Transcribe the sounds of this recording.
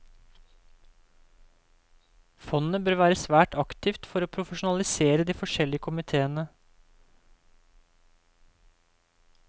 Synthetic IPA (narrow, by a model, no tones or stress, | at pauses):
fɔnnəbøːɾʋæːɾəsʋæːʈʰɑkt̪ɪft̪fɔɾoːpʰɾʊfəʃʊn̩ɑlɪseːɾəd̪iːfɔʂɛlːɪəkʰʊmɪt̪ʰeːənə